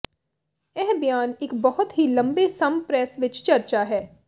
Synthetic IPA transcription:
ɛɦbjaːnɪkbɐɦʊt̪ɦilɐ̃mbesɐmpɾɛːsʋɪt͡ʃt͡ʃɐɾt͡ʃaɦɛː

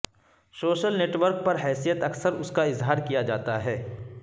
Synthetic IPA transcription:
soːʃəlneːʈʋəɾk̚pɐɾɦɛːsijət̪ɐksəɾʊskaɪzɦaːɾkijad͡ʒaːt̪aɦɛː

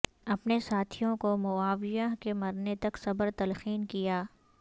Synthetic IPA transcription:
ɐpnesaːt̪ʰijõkomʊaːʋɪjaɦkemɐɾnet̪ɐksɐbəɾt̪ɐlxiːnkijaː

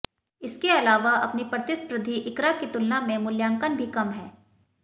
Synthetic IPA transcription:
ɪskeɐlaːʋaʔɐpnipɾət̪ɪspɾɪd̪ʱiʔɪkɾakit̪ʊlnamẽmʊljãːŋkənbʱikɐmɦɛː

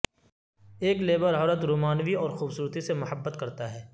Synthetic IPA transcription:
eːkleːbəɾɦɔːɾət̪ɾuːmaːnʋiɔːɾxuːbsuːɾt̪isemʊhəbːət̪kɐɾt̪aɦɛː

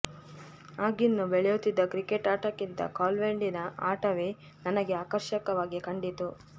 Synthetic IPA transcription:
aːɡinːubeɭɛjut̪ːid̪ːɐkɾikeʈaːʈɐkːint̪ɐ̰kaːlʋeɳɖinɐaːʈɐʋe | nɐnɐɡe̞aːkɐɾʃɐkɐʋaːɡikɐɳɖit̪u

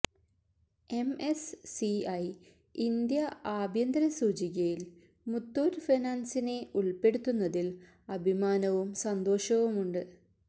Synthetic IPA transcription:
e̞mesːiɐj | ind̪jɐaːbʱjɐnd̪ɾɐsuːt͡ɕiɣɐjil | mut̪ːoːɾfinaːnsine̞ʔuɭpe̞ɽut̪ːunːɐðil | ɐbʱimaːnɐʋumsɐnd̪o̞ːʂɐʋumuɳɖɨ

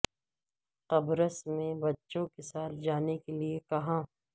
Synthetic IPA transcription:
qɐbɾəsmẽbɐtːʃõkesaːld͡ʒaːnekeliekɐɦãː

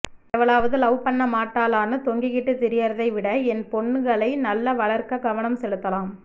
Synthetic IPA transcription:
ɛʋɐɭaːʋɐðɯlɐʋʊpɐnːɐmaːʈːaːlaːnɯt̪ɔŋɡɪɣɪʈːɯt̪ɪɾɪjɐɾɐðɐɪʋɪɽɐɛnpɔɳːɯɡɐɭɐɪnɐlːɐʋɐɭɐɾkɐɡɐʋɐnɐmsɛlɯt̪ːɐlaːm

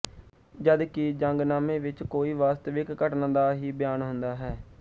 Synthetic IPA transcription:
d͡ʒəd̪kɪd͡ʒəŋɡnaːmẽːʋɪt͡ʃkoːiːʋaːst̪əʋɪkːəʈnãːd̪aːɦiːbɪjaːnɦʊnd̪aːɦɛː

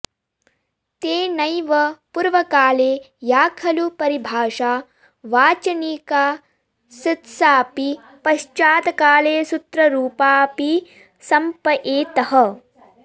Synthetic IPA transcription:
t̪eːnɐjʋɐpuɾʋɐkaːleː | jaːkʰɐlupɐɾibʱaːʂaː | ʋaːt͡ʃɐniːkaː | sit̪saːpi | pɐʃt͡ʃaːt̪ɐkaːleːsut̪ɾɐɾuːpaːpi | sɐmpɐʔeːt̪ɐɦɐ

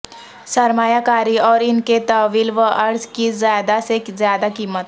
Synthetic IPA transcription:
səɾmajakaɾiːɔːɾinket̪əʋiːlʋəʔəɾzkiːzad̪asekzjad̪akiːmət̪

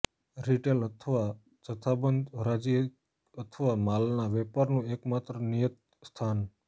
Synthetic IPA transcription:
ɾiʈelət̪ʰəʋa | d͡ʒət̪ʰabənd̪ɾad͡ʒiə | ət̪ʰəʋamalnaʋɛpaɾnũekmat̪ɾənijət̪̚ | st̪ʰan

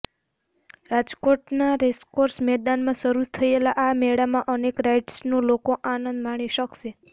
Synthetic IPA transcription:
ɾad͡ʒkoʈnaɾeskoɾsmɛd̪anmãʃəɾut̪ʰəelaʔamɛɽamãʔənekɾajʈsnõlokoʔanənd̪maɽ̃iʃəkʃe

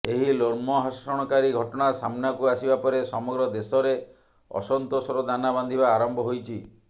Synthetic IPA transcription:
eɦiloɾmɔɦɔsɾɔɽ̃ɔkaɾiɡʱɔʈɔɽ̃asamnakuasibapɔɾesɔmɔɡɾɔd̪esɔɾe | ɔ̰sɔnt̪osɔɾɔd̪anaband̪ʱibaːɾɔmbʱɔɦojt͡ʃʰi

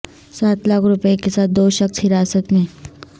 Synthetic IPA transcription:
saːt̪laːkʰɾʊpekesaːt̪̚d̪oːʃəksɦɪɾaːsət̪mẽ

